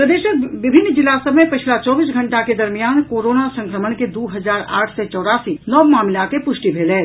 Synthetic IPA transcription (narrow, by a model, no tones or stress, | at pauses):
pɾəd̪eːʃək̚ʋɪbʱɪnːd͡ʒɪlasəbmẽpət͡ʃʰlat͡ʃɔːbiːsɡʱəɳʈaked̪əɾmijaːnkoːɾoːnasə̃ŋkɾəmənked̪uːɦəd͡ʒaːɾa̰ːʈʰset͡ʃɔːɽaːsinɔʋmaːmlakepʊʃʈibʱeːlɛː